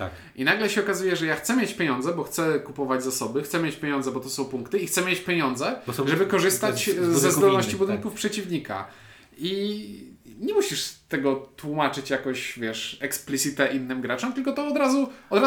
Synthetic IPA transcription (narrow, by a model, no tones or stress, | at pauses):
a | ʔinaɡlɛɕɛɔkazujɛʐɛjaxt̪sɛmʲjet͡ɕpʲeɲɔ̃nd̪zɛbɔxt̪sɛkupɔvad͡ʑʲzasɔbɘxt̪sɛmʲjet͡ɕpʲjeɲɔ̃ndzɛbɔt̪ɔsɔ̃w̃puŋkt̪ɘixt̪sɛmʲjet͡ɕpʲjeɲɔnd̪zɛʐɛbɘkɔʐɘst̪at͡ɕzːɛzd̪ɔlnɔɕt͡ɕibud̪ɘnkufpʂɛt͡ɕivɲika̰ | i | ɲɛmuɕiʂt̪ɛɡɔt̪wumat͡ʂɘt͡ɕjakɔ̃ɕvʲjɛʂɛksplʲitsʲit̪ɛʔinːɘmɡɾat͡ʂɔmt̪ɘlkɔt̪ɔːd̪ɾazuɔd̪ɾa